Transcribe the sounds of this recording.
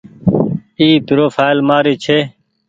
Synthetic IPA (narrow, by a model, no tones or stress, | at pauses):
iːp̪ɾoːfʰaːjlmaːɾiːt͡ʃʰeː